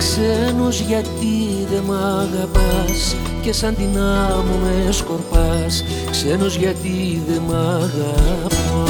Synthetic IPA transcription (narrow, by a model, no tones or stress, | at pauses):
ksenozʝɐt̪i | ðe̞mɐɣɐpɐs | ce̞sɐnd̪inɐmomesko̞ɾpɐs | ksenozʝɐt̪iðemɐɣɐp